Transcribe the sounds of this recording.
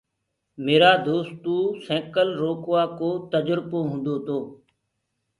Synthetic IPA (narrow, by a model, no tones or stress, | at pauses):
meːɾaːd̪oːst̪uːsɛ̃ːkəlɾoːkʋaːkoːt̪əd͡ʒəɾpoːɦʊ̃nd̪oːt̪ʰoː